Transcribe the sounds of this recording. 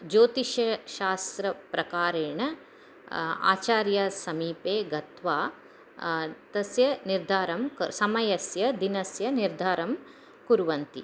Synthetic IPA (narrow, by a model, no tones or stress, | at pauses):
d͡ʒoːt̪iʃɐʃaːst̪ɾɐpɾɐkaːɾeːɳɐ | a̰ːt͡ʃaːɾjasɐmiːpeːɡɐt̪ʋaː | t̪ɐsjɐniɾd̪ʱaːɾɐmkɐsɐmɐjɐsjɐd̪inɐsjɐniɾd̪ʱaːɾɐm | kuɾʋɐnt̪ḭ